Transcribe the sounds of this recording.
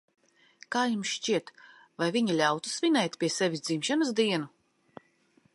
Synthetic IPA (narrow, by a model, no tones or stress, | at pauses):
kaːjumʃt͡ʃiɛt̪ | vajviɲilʲawt̪u̥svʲinɛjt̪ʲpʲiɛsɛvʲisd̪zimʃanɨsd̪iɛnu